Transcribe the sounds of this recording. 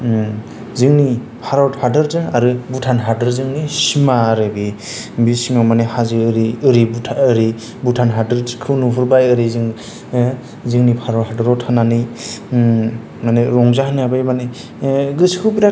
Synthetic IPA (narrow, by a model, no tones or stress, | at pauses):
zɯŋni | pʰaɾɔthaɾdɯɾdɯŋaɾɯbutʰanɦaɾdɯɾzɯŋnisimaɾɯbi | bisiŋamanehazɯɾiɯɾibutʰɯɾi | butʰanɦadɯɾkʰɯnupʰɯɾbajɯɾizɯŋ | zɯŋnipʰaɾɔt̚haɾdɯɾɔtʰanani | maneɾɔŋzahaniabajmane | ɡɯskʰɯbiɾa